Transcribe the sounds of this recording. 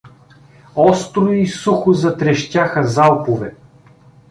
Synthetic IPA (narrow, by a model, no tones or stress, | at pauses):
ɔst̪ɾʊisuxʊzɐt̪ɾɛʃt̪ʲaxəzalˠpovɛ